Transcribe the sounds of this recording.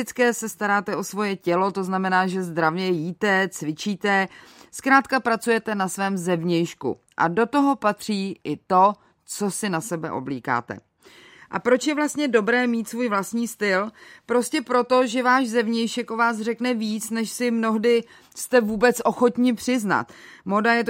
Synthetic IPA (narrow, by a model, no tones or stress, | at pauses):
ɪt͡skɛːsɛst̪aɾaːt̪ɛʔo̞svo̞jɛcɛlo̞t̪o̞znamɛnaːʒɛzd̪ɾavɲɛjiːt̪ɛt͡svɪt͡ʃiːt̪ɛskɾaːt̪kapɾat͡sujɛt̪ɛnasvɛːmzɛvɲɛjʃkṵ | ʔa̰do̞t̪o̞ɦo̞pat̪r̝̥iːʔɪt̪o̞ | t͡so̞sɪnasɛbɛ̰ʔo̞̰bliːka̰ːt̪ɛ̰ | ʔa̰pɾo̞t͡ʃjɛvlast̪ɲɛdo̞bɾɛːmiːt̪svuːjvlast̪ɲiːst̪ɪlpɾo̞scɛpɾo̞t̪o̞ʒɛvaːʒzɛvɲɛjʃɛkʔo̞vaːsr̝ɛknɛviːt͡snɛʃsɪmno̞ɦdɪ | st̪ɛvuːbɛt͡sʔo̞xo̞t̪ɲɪpr̥ɪzna̰t̪modajɛt̪